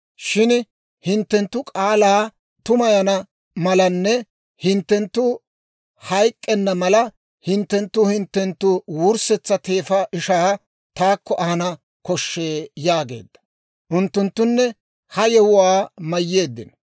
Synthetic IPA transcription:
ʃɪn | hɪnt̪ːɛnt̪ːʊkʼaːlaː | t̪ʊmɐjɐnɐ | mɐlɐnːɛ | hɪnt̪ːɛnt̪ːʊ | hɐjkʼːɛnːɐmɐlɐ | hɪnt̪ːɛnt̪ːʊhɪnt̪ːɛnt̪ːʊwuɾsɛt͡sːɐt̪e̞ːfɐʔɪʃaː | t̪aːkːɔʔɐhɐnɐ | kɔʃːe̞ːjaːɡe̞̰ːd̪ːɐ̥ | ʔʊnt̪ːʊnt̪ːʊnːɛ | hɐjɛwʊwaːmɐjːe̞ːd̪ːɪn

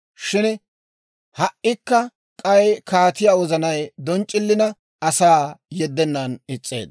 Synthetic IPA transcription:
ʃɪn | hɐʔɪkːɐ | kʼɐjkaːt̪ɪjaːwɔzɐnɐjd̪ɔnt͡ʃʼːɪlːɪnɐ | ɐsaːjɛd̪ːɛnːɐnɪt͡sʼːḛːd̪

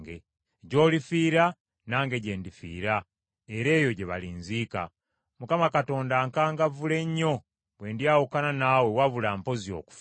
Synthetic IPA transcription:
ɡe | ɟo̞ːlifiːɾa | naːŋɡe̞ɟe̞ːndifḭːɾa | eɾe̞ːjo̞ɟeβa̰linziːka̰ | mukamakato̞ːndaŋkaːŋɡavule̞ɲːo̞ | βwe̞ːndiawukananawe̞waβulaːmpo̞zio̞̰ːku̥f

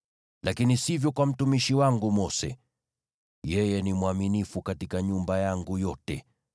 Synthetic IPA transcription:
lakinisivjɔkwam̩tumiʃiwaŋɡumɔsɛ̰ | jɛjɛnimwaminifukatikaɲumbajaŋɡujɔtɛ

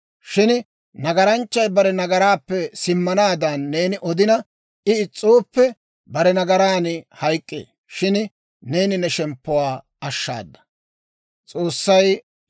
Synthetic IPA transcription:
ʃɪn | nɐɡɐɾɐnt͡ʃːɐjbɐɾɛnɐɡɐɾaːpːɛsɪmːɐnaːd̪anːe̞ːnɪʔɔd̪ɪnɐ | ɪɪt͡sʼːoːpːɛ | bɐɾɛnɐɡɐɾaːnɪhɐjkʼːḛː | ʃɪn | ne̞ːnɪnɛʃɛmpːʊwaː | ɐʃːa̰ːd̪ːɐ̥ | t͡sʼo̞ːsːɐj

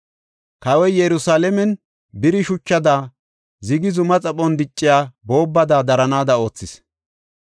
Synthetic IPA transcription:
kɐwɔjjɛɾʊsaːlɛmɛn | bɪɾɪʃʊt͡ʃːɐd̪aː | zɪɡɪzʊmɐt͡sʼɐpʼːɔnd̪ɪt͡ʃʼːɪjaːbo̞ːbːɐd̪aːd̪ɐɾɐnaːd̪ɐo̞ːt͡sːɪs

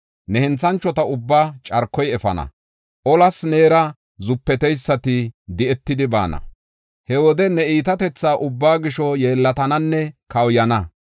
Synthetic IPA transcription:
nɛhɛnt͡sːɐnt͡ʃːɔt̪ɐʊbːaːt͡ʃʼɐɾkːɔjɛfɐ̰nɐ̰ | ʔɔlɐsne̞ːɾɐ | zʊpːɛt̪ɛjsːɐt̪ɪd̪ɪɛt̪ːɪd̪ɪba̰ːnɐ̰ | hɛwɔd̪ɛnɛiːt̪̬ɐt̪ɛt͡sːaːʔʊbːaːɡɪʃɔjeːlːɐt̪ɐnɐnːɛkɐwjɐnɐ

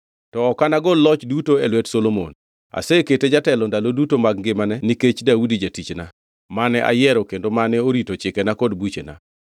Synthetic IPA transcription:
tɔːkanaɡɔlɔt͡ʃdutoelwɛtsolomo̰n | a̰seketed͡ʒatɛlɔndalodutomaɡ̚ŋɡɪmanɛniket͡ʃdaudid͡ʒatit͡ʃna | manɛʔa̰jɛɾɔkendomanɛoɾitot͡ʃɪkɛnakodbut͡ʃḛna̰

